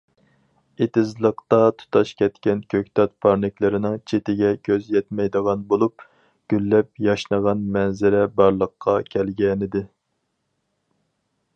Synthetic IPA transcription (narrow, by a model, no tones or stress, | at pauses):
et̪ʰɪzlˠəqt̪ɑt̪ʰu̥t̪ʰɑʃkʲʰɛt̪kʲɛnkʲʰøkʲt̪ʰɑt̪̚pʰɑɾnɪkʲlɪɾɪnɪŋt͡ʃʰet̪ɪɡʲɛkʲʰøzjɛt̪mɛjd̪əʁɑnbolˠup̚ | ɡ̥ʲylːɛp̚jɑʃnəʁɑnmɛnzɪɾɛbɑɾlˠəqʰːɑkʲʰɛlɡʲɛnɪd̪ɪ